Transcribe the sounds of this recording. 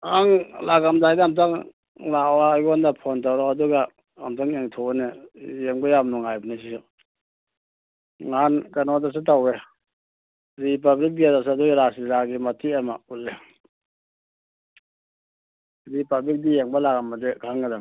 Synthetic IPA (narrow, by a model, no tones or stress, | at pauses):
aŋlaɡamdajdaamtaŋ | lawajɡɔndapʰɔntawɾɔaduɡa | amtaŋeŋtʰɔnejeŋbajamnɔŋajbnes̬iɔ | ŋankanɔdas̬etawe | ɾip̬ablik̚biadas̬aaduɡɾasiɾaɡimatʰiama̰ulːe | ɾipablik̚dijeŋbalaɡamadekʰaŋɡadaŋ